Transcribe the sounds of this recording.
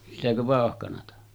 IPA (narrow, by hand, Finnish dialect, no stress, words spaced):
sitækø ʋɑˑohkɑnɑtɑ